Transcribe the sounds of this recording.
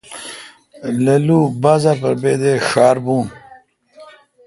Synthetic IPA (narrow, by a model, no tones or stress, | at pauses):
lɐluːbaːzaɾpɐɾbeːd̪eʂaːɾbuːn